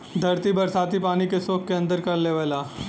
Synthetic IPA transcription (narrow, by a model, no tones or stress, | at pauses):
d̪ʱɐɾt̪ibɐɾsaːt̪ipaːnikesoːkːeɐ̃nd̪əɾkɐɾleʋaːlaː